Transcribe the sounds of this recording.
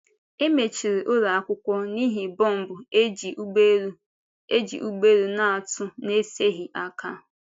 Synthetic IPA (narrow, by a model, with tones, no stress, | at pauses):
e˦me˨t͡ʃi˨ɾi˨ʔo˦ɾa˨a˦kʷʊ˦kʷɔ˦ni˦ɦi˨bɔ˦˨m̩˨bʊ˨˦d͡ʒe˦ | e˦d͡ʒḭ˨ʔu˦ɡ͡be˦ɾu˦na˦a˨tʊ˦ne˦se˦ɦi˨ʔa˦ka˦